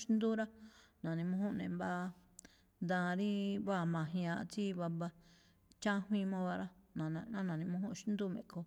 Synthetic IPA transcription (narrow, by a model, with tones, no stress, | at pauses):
ʃnd̪u˦ɾa˦nã˨nĩ˧mũ˧hũ˦nẽ˨mba˧ | nd̪ã˧ɾĩ˦βa˦˧˨mã˨ɦj̃ã˧˨t͡si˦βa˧ba˧ | t͡ʃã˦hwĩ˦˧mã˦βa˧ɾa˦nã˨˧nã˦nã˨nĩ˧mũ˧˦hũ˦ʔʃnd̪u˦˨mḛ̃˨ko˧